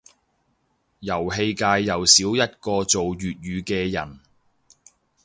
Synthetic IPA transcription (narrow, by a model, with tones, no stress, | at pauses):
jɐ˨˩wɦe˧jkaː˧jːɐ˨wsiː˨˥wjɐ˥t̚kɔː˧t͡so˨wjyː˨t̚jyː˨˧kɛː˧jɐ̰˨˩n